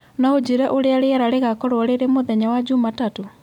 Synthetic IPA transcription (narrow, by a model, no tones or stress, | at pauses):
naod͡ʒiɾaʔoɾeaɾeaɾaɾeɣakɔɾwaɾeɾemoðɛɲawad͡ʒumatato